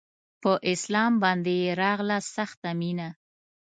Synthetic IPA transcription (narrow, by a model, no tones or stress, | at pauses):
pəʔɪslɑmbɑnd̪ejeɾɑɣlasaxt̪amina